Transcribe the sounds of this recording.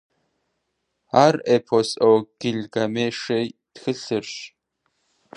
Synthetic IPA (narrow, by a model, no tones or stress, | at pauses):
aːrepʰosʼowɡ̥ɪɮɡɐmeːʂejtxɨɬɨrɕ